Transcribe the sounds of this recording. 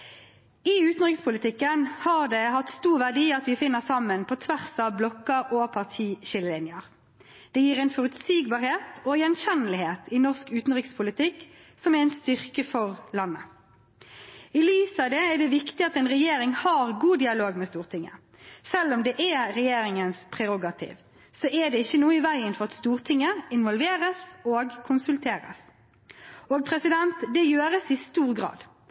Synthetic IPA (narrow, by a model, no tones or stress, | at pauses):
ɪʉːt̪n̩ʁɪkspʰʊlɪt̪ɪkːənhɑʁd̪ɛhɑt̪st̪uːʁʋæʁd̪iːɑt̪ʋɪfɪnːəsɑmːənpʰɔt̪ʰʋæʁsɑblɔkːəɾɔpʰɑʁt̪ʰiːʃɪlːəlɪnɪəʁ | d̪̥ɛjiːɾɛɪnfɔʁʉt̪siːɡ̚bɑːʁheːt̪ɔjɛnçɛnəlɪheːt̪ʰɪnɔʁskʉːt̪n̩ʁɪkspʰʊlɪt̪ʰɪkː | sɔmɛʁɛɪnst̪ʏʁkəfɔʁlɑnːə | ɪliːsɑd̪ɛɛɖ̪ɛʋɪkt̪ɪɑt̪ɛɪnʁɛjeːɾɪŋhɑːʁɡuːd̪ɪɑloːɡmɛst̪uːʁt̪ʰɪŋːə̰ | sɛlːɔmd̪ɛʔɛɾɛjeːɾɪŋənspʰʁɛʁʊɡɑt̪ʰḭːʋ | sɔʔɛd̪ɛɪçːənuːəɪʋæɪənfɔʁɑt̪st̪uːʁt̪ʰɪŋːəɪnʋɔlʋeːʁəsoːɡkʰʊnsʉlt̪ʰeːɾə̰s | oːɡ̚pʰʁɛsɪd̪ɛnt̪d̪ɛjøːɾəsɪst̪uːʁɡʁɑ̰ːd̪